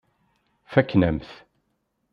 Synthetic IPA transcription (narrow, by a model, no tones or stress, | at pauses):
fækːnæmθ